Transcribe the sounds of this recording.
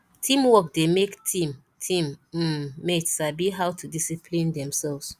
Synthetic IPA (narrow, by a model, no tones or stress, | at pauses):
tʰĩmwɔk̚demektʰĩm | tʰĩm̩ː | etsabiɦawtudisipʰlĩndɛ̃msɛlvz̥